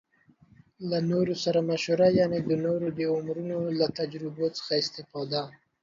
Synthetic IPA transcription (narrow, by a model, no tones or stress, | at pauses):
lanoɾosaɾamaʃoɾajɑned̪ənoɾobeʊmɾunolat̪ad͡ʒɾɪbot͡sə̥xaɪst̪ɪfɑd̪a